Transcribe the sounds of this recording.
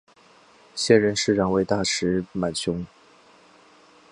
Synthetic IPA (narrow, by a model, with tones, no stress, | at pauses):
ɕjɛ˥˩nɻə˧˥nʂɻ̩˥˩ɻɑ˨˩ŋwe˧˥ɪt̪a˥˩ʂɻ̩˧˥ma˨˩nɕjʊ˥ŋ